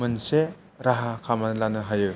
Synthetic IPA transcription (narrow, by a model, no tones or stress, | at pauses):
ɯnse | ɾaɦakʰamalanɯɦajɯ